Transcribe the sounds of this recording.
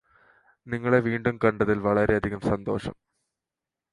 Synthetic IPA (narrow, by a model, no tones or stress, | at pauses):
niŋːɐɭe̞ʋiːɳɖumkɐɳɖɐðilʋɐɭɐɾe̞ɐd̪ʱiɣɐmsɐnd̪o̞̰ːʂɐ̰m